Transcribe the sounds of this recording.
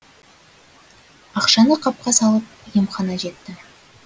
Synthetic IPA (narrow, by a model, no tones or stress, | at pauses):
ɑqʃɑnəqʰɑp̚qɑsɑlˠəp̚jemχɑnɑʒe̞t̪ːɪ